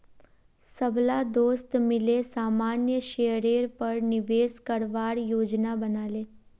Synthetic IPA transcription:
səblad̪oːst̪mɪlesaːmaːnjəʃeːɾeːɾpəɾnɪʋeːskəɾʋaːɾjoːd͡ʒnabənaːleː

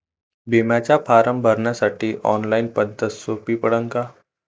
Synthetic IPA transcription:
beːmaːt͡ʃapʰaːɾəmbʱɐɾnasɐʈːiʔɔːnlaɪnpɐnd̪əsːoːpipɐɽə̃ŋka

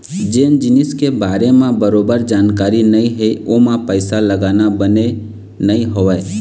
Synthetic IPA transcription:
d͡ʒeːnd͡ʒɪniskebaːɾemãbəɾobəɾd͡ʒaːnkaɾinəiɦeʔomãpəɪsaləɡaːnabəne | nəiɦoʋəj

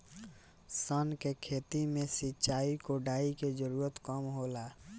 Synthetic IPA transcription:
sənkekʰeːt̪imẽsɪtːʃaːikoɖaːiked͡ʒəɾuːɾət̪kɔmɦolaː

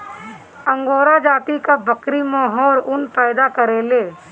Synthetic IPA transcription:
ə̃ŋɡoːɾad͡ʒaːt̪ikabəkɾimaːɦɔːɾʊnpɛːd̪akəɾeːleː

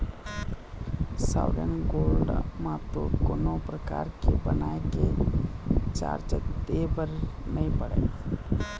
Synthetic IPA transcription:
sa̰ʊɖə̰nɡoːlɖmãt̪okoːnopɾəka̰ːɾkebənaːeke | t͡ʃa̰ːɾd͡ʒət̪ebəɾnəĩpəɽḛ

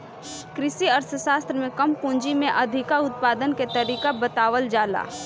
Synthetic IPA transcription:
kɾɪsiəɾsʰəʃaːst̪ɾəmẽkɐmpũːnd͡ʒimẽʔɐd̪ʱɪkaʊt̪̚paːd̪ənket̪ɐɾiːkabət̪aːʋəld͡ʒaːla̰ː

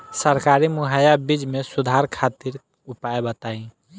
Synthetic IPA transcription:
səɾkaɾimʊɦajabid͡ʒmẽsʊd̪ʱaɾkʰat̪iɾ | ʊpaebət̪aĩ

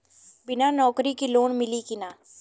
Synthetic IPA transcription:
bɪnanɔːkɾikiloːnmɪlikinaː

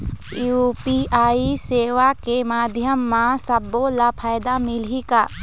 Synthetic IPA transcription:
jupiaːiseːʋakemaːd̪ʱjəmːãsəbolapʰaːjd̪amɪlikaː

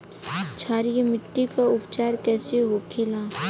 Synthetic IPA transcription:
t͡ʃʰaːɾijmɪʈːikaʊpt͡ʃaːɾkɛːseɦoːkʰɪlaː

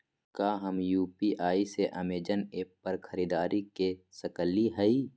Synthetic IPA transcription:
kaːɦɐmjuːpiʔaːiseʔəmeːd͡ʒəneːppɐɾkʰəɾiːd̪aːɾikesəkəliɦɛi

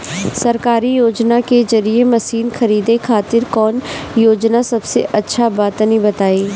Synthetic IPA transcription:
sɐɾkaːɾijoːd͡ʒnakezɐɾiemɐsiːnxʰɐɾiːd̪ekʰaːt̪ɪɾkɔːnjoːd͡ʒnasɐbsḛʔɐtːʃʰabaːt̪nəĩbɐt̪aːiː

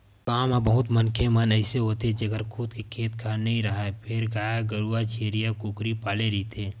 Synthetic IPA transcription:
kaːmabɐɦʊt̪mɐnkʰemɐnɛɪseɦoːt̪ed͡ʒɐɡəɾkʰʊd̪kikʰeːt̪kʰaːɾnɐɦĩɾɐɦapʰɪɾɡaːjaɡəɾuat͡ʃʰeːɾijakʊkɾipaːleɾɐit̪ʰeː

